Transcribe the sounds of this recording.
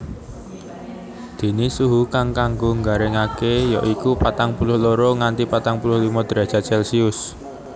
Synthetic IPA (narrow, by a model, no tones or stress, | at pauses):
d̪̥e̤nisuɦukaŋkaŋɡoŋɡaɾɪŋakejɔʔikupat̪aŋpulʊhloɾoŋant̪ipat̪aŋpulʊhlimɔd̪̥ɾḁt͡ʃa̤sɛlsiʊs